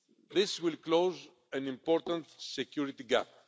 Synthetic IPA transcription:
ðɪswɪlkloz | æ̃nĩmpɔɾt̪ə̃nt̪sɛkjuɾit̪iɡæp̚

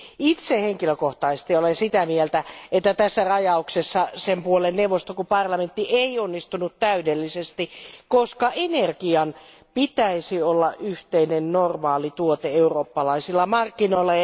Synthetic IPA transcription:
it̪seheŋkiløkoht̪ɑisest̪iolensit̪æmielt̪æet̪ːæt̪æsːærɑjɑuksesːɑsempuolenneuʋˑost̪okupɑrlɑment̪ːiʔeionːist̪unut̪t̪æydelːisest̪ikoskɑenerkiɑn | pit̪æisiolːɑʔʔyht̪einennormɑːlit̪uot̪eeuroːpːɑlɑisilːɑmɑrkːinoilːɑ

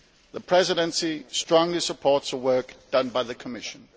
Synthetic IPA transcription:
ðəpʰɹ̥ɛzɪɾə̃nsistɹ̥ɔ̃ŋlisəpʰɔˑtsəwɜˑ˞kd̥ʌ̃nbaɪðəkʰəmɪʃə̃n

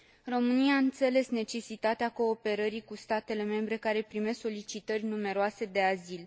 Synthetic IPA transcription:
ro̞mɨnijaːɨnt̪se̞le̞sne̞t͡ʃe̞sit̪at̪eako̞ːpe̞ɾəɾikust̪at̪e̞le̞me̞mbɾe̞kaɾe̞pɾime̞skso̞lit͡ʃit̪ərʲnume̞ɾoase̞d̪e̞azil

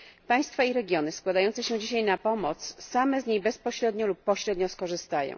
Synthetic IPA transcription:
paj̃st̪faiɾɛɡʲjɔnɘskwad̪ajɔnt̪ɛɕɛ̃d͡ʑiɕ̬ajnapɔmɔt̪sːamɛzɲejbɛspɔɕɾɛd̪ɲɔlupːɔɕɾɛd̪ɲɔskɔʐɘst̪ajɔ̰̃w̃

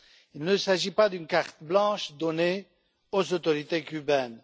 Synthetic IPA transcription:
ilnəsaʒipad̪ynkaʁt̪blɑ̃ʃd̪ɔne | ozot̪ɔʁit̪ekʲybɛn

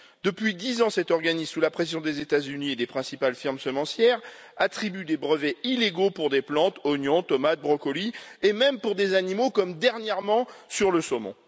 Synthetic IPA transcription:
d̪̥əpɥid̪izɑ̃sɛt̪ɔʁɡanizsulapχes̬jɔ̃d̪ezet̪azynied̪epχɛ̃sipalfiʁmsəmɑ̃sjɛʁ | at̪χibyd̪ebʁəvɛileɡopuʁd̪eplɑ̃t̪ɔnjɔ̃t̪ɔmat̪̚bʁɔkɔliemɛmpuʁd̪ezanimokɔmd̪ɛʁnjɛʁmɑ̃syʁləsɔmɔ̰̃

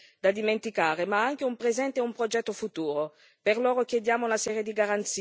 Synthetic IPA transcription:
d̪ad̪iment̪ikaːɾemaaŋk̟eumpɾezɛnt̪eɛumpɾod͡ʒɛt̪ːofut̪uːɾo | perloːɾok̟jed̪jaːmounasɛːɾjed̪iɡaɾant̪si

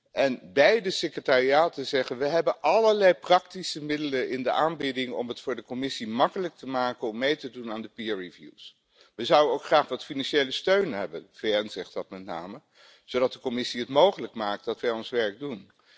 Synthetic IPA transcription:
ʔɛnbɛjdəsɪkrətaːriaːtəzɛχənʋəɦɛbənʔɑləɹlɛjprɑk̚tisəmɪdələnɪndəʔaːnbɪdɪŋɔ̰mɦətfʊːɹdəkɔmɪsimɑkələk̚təmaːkənɔmːejtədunaːndəpiɛɹivjṵs | ʋəzʌwənowkχraːχʋɑtfinɑnʃejləstøɥnɦɛbənvejɛnzɛχtdɑtmɛtna̰ːmə | z̥owdɑt̚dəkɔmɪsiətmowχələkmaːk̚t̚dɑtʋɛjɔnsʋɛɹɡ̚dun

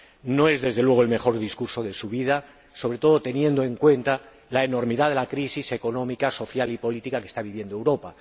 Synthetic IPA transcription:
no̞e̞zðe̞zðe̞lwe̞ɣoe̞lme̞xo̞ɾðiskuɾso̞ðe̞suβ̞iða | so̞βɾe̞t̪o̞ð̞o̞t̪e̞njẽ̞nd̪o̞e̞ŋkwe̞nt̪a | laeno̞ɾmiðaðe̞lakɾisise̞ko̞nõ̞mikaso̞θjalipo̞lit̪ikake̥st̪aβiβje̞nd̪oe̞wɾo̞pa

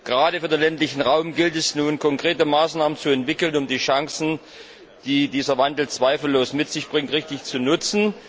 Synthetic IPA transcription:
ɡ̥əʁaːɾəfyːɐdeːnlɛntlɪçn̩ʁaʊmɡɪltɛsnuːnkʰɔŋkʁ̥eːtəmaːsnaːmənt͡suɛntv̥ɪkl̩nʊmdiːʃaŋsn̩ | d̥iːdiːzɐvandl̩t͡sv̥aɪfl̩ːoːsmɪtz̥ɪçb̥ʁɪŋtʁɪçtɪçt͡sunʊt͡sn̩

